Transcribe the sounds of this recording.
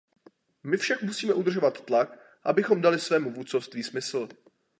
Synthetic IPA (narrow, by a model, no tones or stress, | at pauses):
mɪfʃakmusiːmɛʔud̪r̩ʒo̞vat̪ːlak | ʔabɪxo̞mdalɪsvɛːmuvut̪t͡sofst̪viːsmɪsl̩